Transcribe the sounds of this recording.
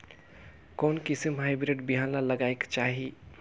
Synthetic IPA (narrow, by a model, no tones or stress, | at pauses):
konkisəmɦajbɾiɖbiɦanlaləɡaekt͡ʃaɦi